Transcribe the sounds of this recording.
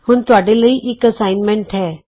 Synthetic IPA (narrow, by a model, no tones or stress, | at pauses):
hʊnt̪ʊɦaːɖeləiʔɪkəsaːɪnmɛ̃ɳʈɦɛː